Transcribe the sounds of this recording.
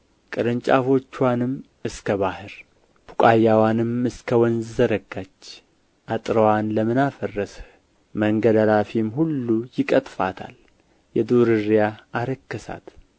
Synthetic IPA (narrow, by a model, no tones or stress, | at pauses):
kʼɨɾɨnt͡ʃʼafo̞t͡ʃːwanɨm | ɨskʰəβahɨɾ | bukʼajːawanɨmɨskʰəwɔnzzəɾəɡːat͡ʃː | ʔat̪ʼɾəwanləmɨnafərːəs | məŋɡəd̪alafimhulːujɪkʼət̪ʼfa̰t̪ʰa̰l | jɛd̪oɾɨɾijaaɾəkːəsa̰t̪